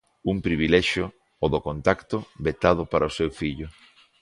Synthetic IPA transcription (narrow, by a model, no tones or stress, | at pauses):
uŋpɾiβilɛʃjo | oðokont̪akt̪ʊβet̪að̞ʊpaɾɐosewfiʎʊ